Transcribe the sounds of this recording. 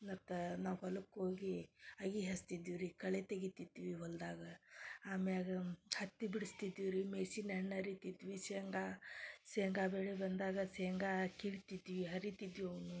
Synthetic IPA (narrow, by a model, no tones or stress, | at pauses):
nɐt̪ːɐnaːʋɦɐlɐkːɦoːɡiɐɡiɦɐst̪id̪iʋɾikɐɭet̪eɡit̪id̪ːiʋiɦɔld̪aːɡɐaːmeaːɡɐhɐt̪ːibiɽist̪id̪iʋɾimeːsinɛɳːɐɾit̪id̪ʋiseːŋɡaːseːŋɡaːbeɭebɐnd̪aːɡɐseːŋɡaːkiɭit̪id̪ʋiɦɐɾit̪id̪ʋiɐʋɐnu